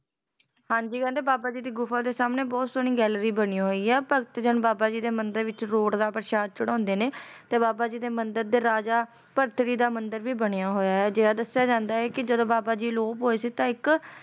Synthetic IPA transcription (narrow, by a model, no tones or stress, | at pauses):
hãːɲd͡ʒiːkɛ̃ːnd̪eːbaːbaːd͡ʒiːd̪iːɡʊfʰaːd̪eːsaːmneːbɔːt̪soːñĩːɡɛːlɾiːbəɽ̃ĩːɦoːiːɛːpəkt̪d͡ʒənbaːbaːd͡ʒiːd̪eːmənd̪əɾʋɪt͡ʃɾoːʈd̪aːpəɾʃaːd̪̚t͡ʃəɽɔ̃ːnd̪eːneːt̪eːbaːbaːd͡ʒiːd̪eːmənd̪əɾd̪eːɾaːd͡ʒaː | pəɾt̪ʰɾiːd̪aːmənd̪əɾʋiːbəɽ̃ejaːɦoːjaːɦɛːd͡ʒeːaːd̪əsɪjaːd͡ʒãːnd̪aːɦɛːkɪd͡ʒəd̪õːbaːbaːd͡ʒiːloːpɦoːeːsiːt̪ãːɪk